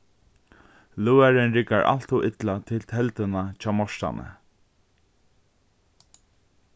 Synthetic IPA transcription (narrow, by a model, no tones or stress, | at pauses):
luːaɾɪnɾɪkːaɹʔa̰lt̪uʔɪt̪lat̪ʰɪlt̪ʰɛlt̪ənat͡ɕʰaːmɔʂt̪a̰nʔə̰